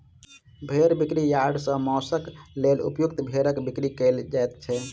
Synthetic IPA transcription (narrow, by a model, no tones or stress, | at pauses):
bʱeɾbikɾijaɖsə̃mɔsəklelṵpjukt̪bʱeɾəkbikɾikəld͡ʒajt̪t͡ʃʰɛ